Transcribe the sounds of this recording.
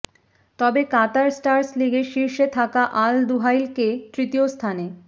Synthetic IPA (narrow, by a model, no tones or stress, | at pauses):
t̪ɔbekat̪aɾsʈaɾsliɡeʃiɾʃet̪ʰakaʔald̪uɦajlket̪ɾit̪iost̪ʰane